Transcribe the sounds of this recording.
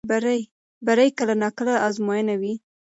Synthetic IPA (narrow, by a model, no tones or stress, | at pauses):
baɾj | baɾajkəlanɑkəlaʔɑzmojənawi